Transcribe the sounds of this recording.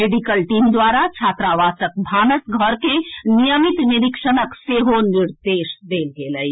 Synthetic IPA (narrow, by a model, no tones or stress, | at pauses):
meːɖikəlʈiːmd̪waːɾat͡ʃʰaːt̪ɾaʋaːsək̚bʱaːnəsɡʱəɾkenijəmit̪niɾikʃənəkseːɦoniɾd̪eːʃd̪eːlɡeːləi